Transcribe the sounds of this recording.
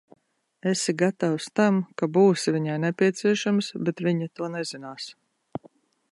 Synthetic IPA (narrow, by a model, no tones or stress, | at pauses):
esiɡat̪awst̪amkabuːsiviɲajnɛpʲiɛt̪siɛʃamsbɛt̪viɲat̪uɔnɛzinaːs